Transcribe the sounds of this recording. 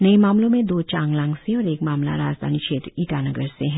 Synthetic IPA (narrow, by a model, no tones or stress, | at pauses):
nɐemaːmlõmẽd̪oːt͡ʃãːŋɡlãːŋɡseɔːɾeːkmaːmla̰ɾaːd͡ʒd̪ʱa̰ːnikʃʰeːt̪ɾiːʈanɐɡəɾseɦɛ̃